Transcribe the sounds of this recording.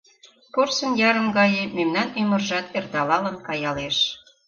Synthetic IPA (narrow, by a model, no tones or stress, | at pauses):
porsə̆njɑɾə̆mɡɑjememnɑnymə̆rʒɑt̪erd̪ɑlɑlənkɑjɑleʃ